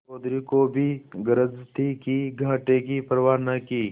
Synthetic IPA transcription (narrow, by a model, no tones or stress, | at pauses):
oːd̪ɾikobʱiɡəɾəd͡zt̪ikiɡʱaːʈek̬ipəɾʋaːnɐkiː